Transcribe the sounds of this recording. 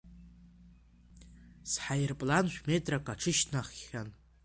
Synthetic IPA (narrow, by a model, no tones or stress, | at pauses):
sħajrpʼlanʃᶣʷmetʼrakʼaʈ͡ʂʰɨʃtʰnaχːʲan